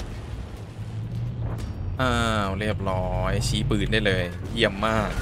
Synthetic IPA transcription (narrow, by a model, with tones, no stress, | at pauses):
ʔaː˧ɾi˥˩əp̚ɾɔː˦jt͡ɕʰiː˨˦pɯː˨˩ndaː˥˩jlɤː˧jji˥˩əmːaː˥˩k̚